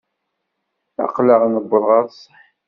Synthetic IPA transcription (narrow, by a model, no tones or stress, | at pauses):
æ̰qləʁnəbːəðˤʁɑɾˤsˤəħ